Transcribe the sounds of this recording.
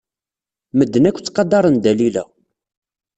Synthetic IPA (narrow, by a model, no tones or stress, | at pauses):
məd̪ːənækʷːt͡sːqɑd̪ːɑɾˤənd̪ælilæ̰